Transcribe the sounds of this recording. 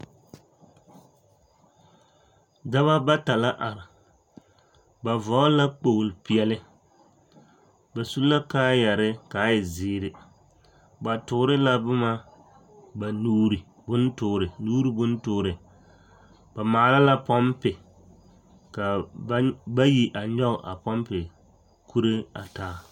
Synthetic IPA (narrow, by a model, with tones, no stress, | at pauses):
da˦βa˦ba˦ta˨la˦ʔa˨ɾɪ˨ | ba˨vɔ˨˦la˦k͡po˨lɪ˨pɪ˨ɛ˨lɪ˦ | ba˨su˦la˦kaː˦ja˨ɾɪ˦kaː˨˦ɪ˨zɪː˨ɾɪ˨ | ba˨tʊ˨˦ɾɪ˦la˦bʊ˦ma˦ | ba˨nuː˦ɾi˨ | bʊ˦ntʊː˨ɾɪ˨nuː˦ɾi˦bʊ˦ntʊː˦ɾɪ˨ | ba˨maː˨˦˨la˦la˦pɔ˦mpɪ˨ | ka˨˦ | ba˦ji˦ʔa˨ɲɔ˦˨ʔa̰˨pɔ˦mpɪ˨ | kʰu˦ɾe˦a̰˨taː˨˦